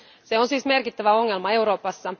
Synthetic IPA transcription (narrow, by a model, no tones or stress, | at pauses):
se̞onsiːsme̞rkit̪ːæʋæo̞ŋːe̞lmɑe̞wɾo̞ːpɑsːɑ